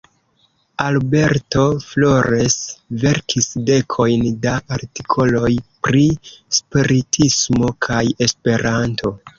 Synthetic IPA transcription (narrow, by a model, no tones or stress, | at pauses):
albe̞ɾto̞flo̞ɾesve̞ɾkʰisde̞kʰo̞jndaaɾtikʰo̞lo̞jpɾispiɾitʰismo̞kʰaje̞spe̞ɾantʰo̞